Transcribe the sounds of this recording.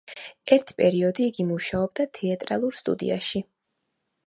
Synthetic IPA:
ɛɾt̪ʰi̥pʼɛɾiɔd̪iːɡimuʃaɔb̚d̪at̪ʰɛat̪ʼɾa̰lˠuɾst̪ʼṵd̪ḭa̰ʃi

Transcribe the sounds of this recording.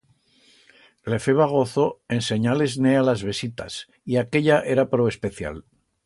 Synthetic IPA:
le̞feβaɣ̞o̞θo̞e̞nse̞ɲaleznealazβe̞sit̪a̰s | iake̞ʎaʔe̞ɾapɾoe̞spe̞θja̰l

